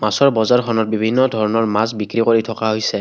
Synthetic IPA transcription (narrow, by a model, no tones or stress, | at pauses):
masɔɹbɔzaɹkʰɔnɔt̚bibʱinːɔdʱɔɹɔnɔɹmasbikɹikoɹitʰɔkaɦojsɛ